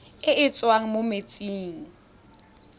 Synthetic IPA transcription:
ɪɪt͡sʼwaŋ̩mʊmet͡sʼiːŋ̩

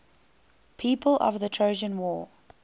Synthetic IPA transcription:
pʰiːˑpʰəlʔə̰vðətʰɹ̥əʊʒə̃nwɔː

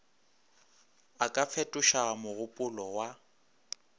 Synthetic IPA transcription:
akʼap̪fʰɛtʼʊʃamʊɣʊpʼʊlɔwa

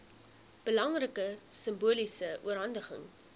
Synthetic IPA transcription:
b̥əlɐŋrəkəsəmbuəlisəuəɾɦɐndəχə̰ŋ

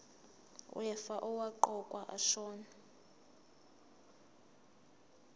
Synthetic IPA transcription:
w̰ɛfaʔɔwaǃɔkʼwaʔa̰ʃɔːna

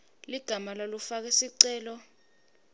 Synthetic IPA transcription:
liɡ̥ʱamalalufak̬ɛsiǀɛːlɔ

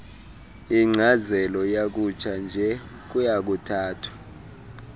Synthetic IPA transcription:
iŋ͡ǀʱazɛlɔjak̬ut͡ʃʰʼand͡ʒʱɛ | k̬ujak̬utʰaːtʰwḁ

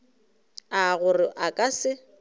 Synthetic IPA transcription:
aɣʊrɪʔakʼasɪ

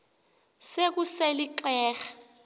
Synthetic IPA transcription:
sek̬useliǃɛːxḁ

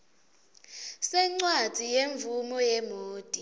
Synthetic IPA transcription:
sɛŋ͡ǀwḁz̥ʱijeɱvumɔjɛmoːd̥ʼi

